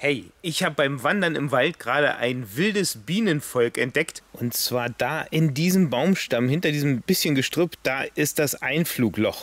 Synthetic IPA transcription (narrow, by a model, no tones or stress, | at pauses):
hɛɪʔɪçhaːbəbaɪmvandɐnɪ̰mvaltɡ̥ʁaːɾə̰ʔa̰ɪnvɪldəsb̥iːnənfɔlkɛnt̚d̥ɛktʔʊntt͡sv̥aːɐd̥aːʔɪndiːzəmbaʊmʃtamhɪntɐdiːzəmbɪsçənɡəʃtʁ̥øːpt̚d̥aːʔɪst̚d̥asʔaɪnfluːklɔχ